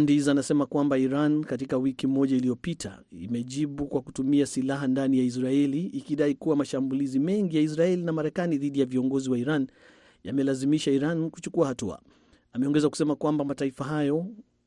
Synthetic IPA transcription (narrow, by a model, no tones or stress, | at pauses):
ndizaːnasɛmakwambaiɾankatikawikimɔʄailijɔpitʰa̰ | imɛʄiɓukwakutumiasilaɦandanijais̬ɾaɛliːkiɗaikuwamaʃambulizimɛŋɡijais̬ɾaɛlinamaɾɛkaniðiɗijaviɔŋɡɔziwaiɾan | ja̰mɛlazimiʃaiɾanku̥t͡ʃukuahatua̰ | amɛɔŋɡɛzaku̥sɛmakwambamataifaɦajɔ